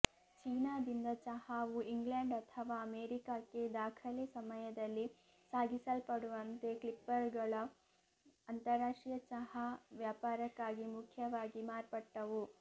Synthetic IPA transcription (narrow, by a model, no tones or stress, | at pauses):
t͡ʃiːnaːd̪ind̪ɐt͡ʃɐhaːʋuiŋɡleɳɖɐt̪ʰɐʋaːɐmeːɾikaːkːe̞d̪aːkʰɐlisɐmɐjɐd̪ɐlːi | saːɡisɐlpɐɽuʋɐnt̪e̞klipːɐɾɡɐɭɐ | ɐnt̪ɐɾaːʂʈijɐt͡ʃɐhaʋjaːpaːɾɐkːaːɡimukʰjɐʋaːɡimaːɾpɐʈːɐʋu